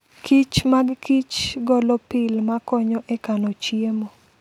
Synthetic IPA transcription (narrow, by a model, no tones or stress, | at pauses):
kʰit͡ʃmaɡkit͡ʃɡɔlɔpɪlmakɔɲɔʔɛkanɔt͡ʃiemo